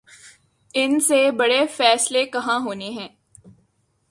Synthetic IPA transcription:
ɪnsebɐɽefɛːslekɐɦãɦoːneɦɛ̃ː

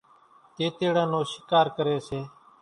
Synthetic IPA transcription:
t̪eːt̪eːɽãːnõːʃɪkaːɾkəɾeːseː

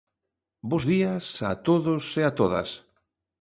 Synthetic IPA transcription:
bozðiɐsat̪oðʊseat̪oðɐ̰s

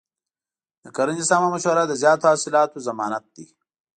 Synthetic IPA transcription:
d̪əkɐɾɐnd͡ʒisaːmamɐʃwɐɾad̪əzjɑːt̪ohaːsɪlɑːt̪ozɐmɑːnɐt̪̚d̪i

